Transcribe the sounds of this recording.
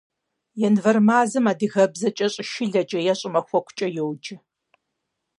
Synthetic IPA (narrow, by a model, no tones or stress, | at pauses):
jɛnvɐrmaːzɨmaːdɨɣɐbzɐt͡ʃʼɐɕʼɪʃɪɮɐt͡ʃʼɐjɛɕʼɪmɐxʷɔkʷʊt͡ʃʼɐjɛwd͡ʒɪ